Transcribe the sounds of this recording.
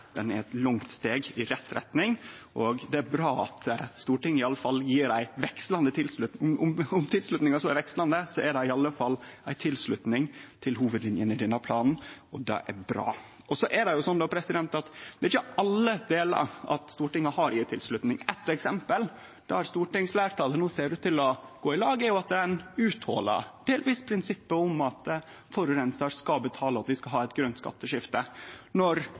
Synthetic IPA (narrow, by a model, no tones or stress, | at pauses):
d̪̥ɛnɛɾɛt̪lʊŋt̪st̪eːɡɪɾɛt̪ːɾɛ̰t̪nɪŋʔɔɡd̪ɛæɾbɾɑːɑ̰t̪st̪uːʈɪŋːəɪɑlːəfɑlːjiːɾæɪʋɛkst̪lɑnd̪ət̪ʰɪlslʉt̪mʊmʊmt̪ʰɪlslʉt̪nɪŋɑsɔæɾʋɛkst̪lɑnd̪əsɔæɖɑɪɑlːəfɑlːæɪt̪ʰɪlsɭʉt̪nɪŋt̪ʰɪlɦuːʋəd̪lɪnjənɪd̪ɛnɑpʰlɑːnn̩ɔd̪ɑ̰ʔæ̰bɾɑ̰ː | ɔsɔʔæɖɛjʊsɔnd̪opʰɾɛsɪd̪ɛnt̪ɑt̪d̪̥ɛɪt͡ʃːəɑlːəd̪eːlə̰ɾʔɑ̰t̪st̪uːʈɪŋːɑhɑɾɪːət̪ʰɪlslʉt̪nɪŋɛt̪ɛksɛmpəl | d̥̪ɛæɾst̪uːʈɪŋslæːɾʈʰɑːlənuːseːɖʉt̪ʰːɪlɔɡ̥oːɪlɑːɡəəɾjʊɑt̪̚d̪ɛnʉːt̪hɔ̰lə̰ɖ̥eːlʋiːspʰɾɪnsɪpːəʊmɑt̪ | fɔɾʉɾɛnsəɾskɑbət̪ʰɑːləɑt̪̚d̪ɪskɑɦɑːɛɪt̪ɡɾœnt̪skɑ̰t̪ːəʂɪft̪ənɔɾ